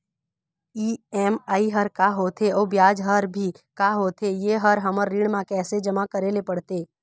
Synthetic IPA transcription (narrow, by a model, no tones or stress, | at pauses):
iːɛːmaːiɦəɾkaɦoːt̪ʰeɔːbjaːd͡ʒɦəɾbʱi | kaːɦoːt̪ʰejeɦəɾɦəməɾːiɽ̃mãkɛːsed͡ʒəmakəɾeːlepɐɽt̪eː